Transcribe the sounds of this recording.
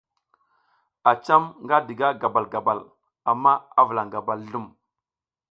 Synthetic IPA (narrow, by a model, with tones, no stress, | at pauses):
a˨t͡ʃa˦mŋɡa˦di˨ɡa˦ɡa˨ba˨lɡa˨ba˨l | a˨mːa˦a˦və˨la˨ŋɡa˨ba˨lɬu˦m